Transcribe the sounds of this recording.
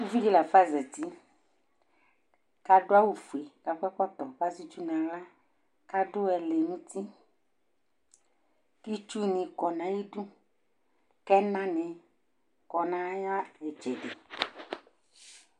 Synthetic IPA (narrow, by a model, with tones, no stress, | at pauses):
ku˦vi˦ɣi˦la˨fa˦zɛ˨t̪i˦ | ka˦ɖo˦a˦wu˨fu˨e˨ka˨kɛ˦kɔ˦t̪ɔ˨va˦zi˦t͡ʃu˦nã˨la˦ | ka˦ɖʊ˦ɛ˨le˨nũ˦t̪i˦ | ki˦t͡ʃu˦nĩ˨kɔ˨nã˨ji˦ɖu˦ | kɛ˦nã˦nɛ̃˨ | kɔ˨nã˨˦ja˦ɛ˨d͡ʒɛ˨ɖe˨